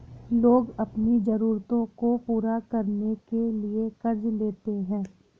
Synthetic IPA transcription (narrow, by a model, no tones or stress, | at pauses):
loːɡɐpnid͡ʒɐɾuːɾt̪õkopuːɾakɐɾnekeliekɐɾd͡ʒleːt̪eɦɛ̃ː